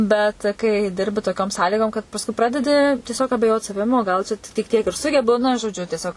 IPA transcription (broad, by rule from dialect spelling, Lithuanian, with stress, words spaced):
ˈbʲɛt kɐɪ ˈdʲɪrʲbʲɪ toːˈkʲoːm ˈsɑːlʲiːɡoːm kɐt pɐsˈkʊɪ ˈprɑːdʲɛdʲɪ tʲiɛˈsʲoːk ɐbʲɛˈjoːt sɐˈʋʲɪm oː ˈɡɐlˠ t͡ʃʲɛ tʲɪk ˈtʲiɛk ɪr ˈsʊɡʲɛbʊ nɐ ʒoːˈd͡ʒʲʊ tʲiɛˈsʲoːk